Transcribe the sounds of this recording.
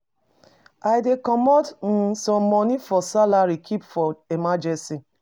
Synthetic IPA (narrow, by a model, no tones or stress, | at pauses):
aɪdekɔmɔtn̩sɔ̃mːɔnifɔsalaɾikʰipfɔemad͡ʒɛ̃nsi